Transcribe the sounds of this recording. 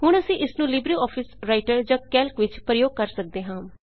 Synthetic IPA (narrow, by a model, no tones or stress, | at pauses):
hʊɳ̃əsĩːʔɪsnũːlɪbɾiːɔːpʰɪsɾaːɪʈəɾd͡ʒãːkɛːlkʋɪt͡ʃpɾəjoːɡ̚kəɾsək̚d̪eːɦãː